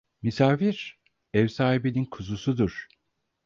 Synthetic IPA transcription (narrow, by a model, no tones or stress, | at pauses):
misaːfiɾ̥ | ɛvsaːhibenʲinkʰuzusud̪uɾ̥